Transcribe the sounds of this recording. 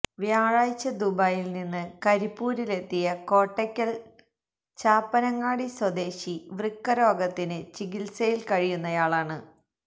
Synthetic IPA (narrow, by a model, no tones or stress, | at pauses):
ʋjaːɻaːjt͡ɕːɐd̪ubajilninːɨkɐɾipːuːɾile̞t̪ːijɐko̞ːʈːɐkʲːɐl | t͡ɕaːpːɐnɐŋːaːɽiswɐd̪e̞ːɕiʋrikːɐɾo̞ːɡɐt̪ːinɨt͡ɕiɡilsɐjilkɐɻijunːɐjaːɭaːɳɨ